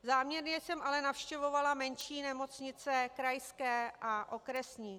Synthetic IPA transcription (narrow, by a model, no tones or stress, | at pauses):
zaːmɲɛɾɲɛsɛmʔalɛnafʃcɛvo̞valamɛnʃiːnɛmo̞t͡sɲɪt͡sɛkɾajskɛːaʔo̞kɾɛsɲiː